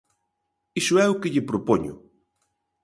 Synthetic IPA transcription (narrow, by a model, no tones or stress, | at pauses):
isoɛukeʎepɾopoɲo̰